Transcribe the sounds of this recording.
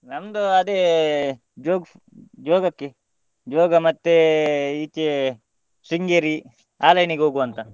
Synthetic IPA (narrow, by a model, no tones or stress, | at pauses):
nɐmd̪oɐd̪e | d͡ʒoːɡ | d͡ʒoːɡɐkːe | d͡ʒoːɡɐmɐt̪ːeit͡ʃːe | siŋɡeɾi | aːlɐjniɡɦoːɡuʋɐnt̪a